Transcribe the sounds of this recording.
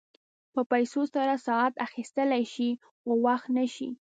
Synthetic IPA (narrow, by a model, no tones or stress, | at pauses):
pəpajsosaɾasɑat̪axist̪əlajʃi | xowaxt̪naʃḭ